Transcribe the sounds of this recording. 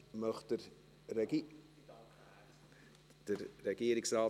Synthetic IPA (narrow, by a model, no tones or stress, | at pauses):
mœχd̥əɾ | ɾɛ | d̥əɾːɛɡiːɾɪksɾaː